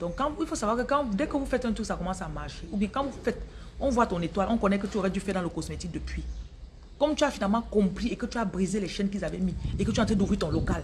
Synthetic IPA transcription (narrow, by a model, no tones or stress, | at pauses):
d̥̪ɔ̃kkːãilfosavwakəkãdɛkəvufɛt̪ɛ̃t̪yksakɔmɑ̃samaʁʃeubjɛ̃kãvufɛt̪ | ɔ̃vwat̪ɔ̃net̪walɔ̃kɔnɛkət̪yoʁɛd̪yfɛdãləkosmet̪ik̚dəpɥi | kɔmt̪yafinalmɑ̃kɔ̃pχiekət̪yabʁizelɛʃɛnk̬ilzavɛmiekətyãt̪ʰɛ̃d̪uvʁit̪ɔ̃lokal